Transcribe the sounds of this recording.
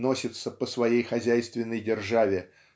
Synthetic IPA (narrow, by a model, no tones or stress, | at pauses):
no̞sʲɪt̪səpəsvɐjejxɐzʲæjst̪vʲɪnːəjdʲɪrʐavʲɪ